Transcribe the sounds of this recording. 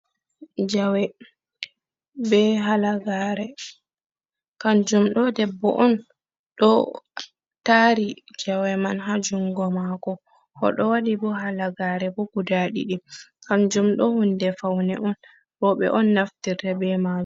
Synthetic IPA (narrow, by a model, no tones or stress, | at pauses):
d͡ʒawɛ | bɛɦalaɡaɾɛ | kand͡ʒumɗɔdɛbːɔ̰ʔɔn | ɗɔ | taɾid͡ʒawɛmanɦad͡ʒuŋɡɔmakɔ | hɔ̰ɗɔwaɗibɔɦalaɡaɾɛbɔɡudaɗḭɗikand͡ʒumɗɔhundɛfawnɛʔɔn | bɔɓɛ̰ʔɔnːaftirdɛbɛmad͡ʒ